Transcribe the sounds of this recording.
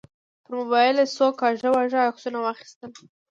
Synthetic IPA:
pəɾmʊbɑjɪlasokɑʒawaʒaːksunawɑxi̥st̪əl

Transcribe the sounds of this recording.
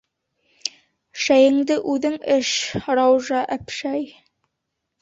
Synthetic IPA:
ʃæjɘ̆ŋd̪ɘʔʉðɘŋɘʃrɑwʒɑʔæpʃæj

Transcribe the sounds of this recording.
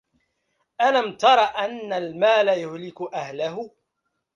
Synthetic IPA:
ʔalamt̪ɑɾˤɑːʔanːalmaːlajʊhlɪkʊʔahlahʊ

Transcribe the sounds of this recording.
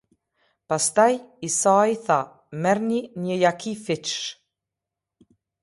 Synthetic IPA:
past̪ajisaːjθa | mɛɾninjəjakʰifɪt͡ʃ

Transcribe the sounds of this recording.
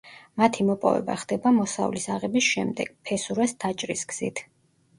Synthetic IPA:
mat̪ʰimɔpʼɔ̰vɛ̰ba̰χd̪̥ɛbamɔsa̰vlisaʁɛbisʃɛmd̪ɛ̰ɡ̥pʰɛsuɾɛsd̪̥at͡ʃʼɾisɡz̥ḭt̪ʰ

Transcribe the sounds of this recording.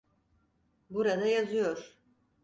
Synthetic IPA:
buɾad̪ajazɯjoɾ̥

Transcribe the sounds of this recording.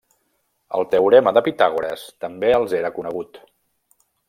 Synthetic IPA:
ə̰lˠt̪əwɾeməðəpit̪aɣ̞uɾə̰st̪əmbeəlˠzeɾəkunəɣ̞ut̪

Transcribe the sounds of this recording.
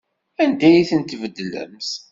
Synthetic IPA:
ænd̪æjiθənt̪vəd̪ːlə̰ms

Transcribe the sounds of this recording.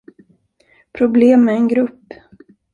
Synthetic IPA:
pʰɾʊbleːmæɛnɡɾɵpː

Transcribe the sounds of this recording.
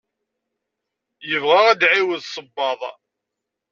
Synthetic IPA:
jəvʁaʁæd̪ʕiwəðsˤəbːɑðˤ

